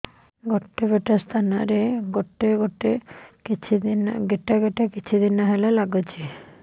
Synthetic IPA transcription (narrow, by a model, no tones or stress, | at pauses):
ɡɔʈːebeʈast̪ʰanaɾeɡoʈːeɡoʈekit͡ʃʰid̪inaɡeʈaɡeʈakit͡ʃʰud̪inːaɦelalaɡot͡ʃʰi